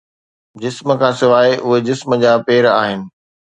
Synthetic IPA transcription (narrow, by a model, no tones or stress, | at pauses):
d͡ʑɪsməkʰãːsɪʋaːeʔʊɦed͡ʑɪsməd͡ʑaːpeːɾaːɦɪnɪ̆